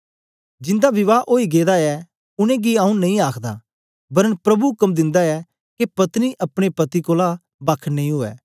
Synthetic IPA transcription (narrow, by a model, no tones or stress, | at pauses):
d͡ʒɪ̃nd̪abɪʋaːʔoːiɡeːd̪aɛ | ʊñẽɡiaːũnɐĩaːkʰd̪a | bɐɾəɳpɾɐbukɐmd̪ɪ̃nd̪aɛ | kepɐt̪niʔɐpɽ̃epɐt̪ikoːla | bɐkʰnɐ̃ĩɦoːɛ̰ː